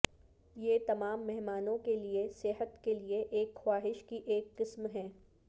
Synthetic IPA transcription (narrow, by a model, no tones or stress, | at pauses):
jeːt̪ɐmaːmːɛɦmaːnõkeliesɪɦət̪kelieʔeːkxwaːɦɪʃkiʔeːkqɪsmɦɛ̃ː